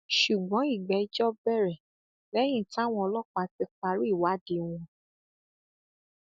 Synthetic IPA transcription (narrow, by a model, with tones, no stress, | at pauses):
ʃu˨ɡ͡bɔ̃˨˦i˦˨ɡ͡bɛ˨˦i˦d͡ʒɔ˦bɛ˦˨ɾɛ˨ | lɛ˦j̃ĩ˦˨tã˦w̃ɔ̃˧ɔ˧lɔ˦k͡pa˧ti˧k͡pa˧ɾu˦i˦˨wa˨˦di˧˦w̃ɔ̃˧